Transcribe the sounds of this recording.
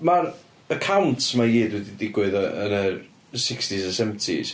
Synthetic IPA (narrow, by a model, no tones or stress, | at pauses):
mar | əkʰawntʰmaiːdwɛdidɪɡwɨðəə̰ɾə | sɪkstisasɛvəntʰḭs